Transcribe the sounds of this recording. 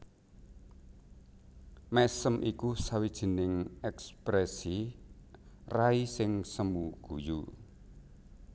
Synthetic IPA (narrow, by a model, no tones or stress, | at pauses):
mɛsəmʔikusawid̥ʒ̥i̤nɪŋɛkspɾɛsi | raisɪŋsəmuɡ̥uju